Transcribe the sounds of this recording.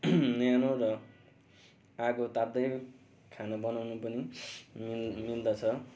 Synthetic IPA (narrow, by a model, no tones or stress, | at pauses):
nʌjanorʌ | akot̪ad̪ʌj | kʰanabʌnawnupʌnimmild̪ʌt͡sʰʌ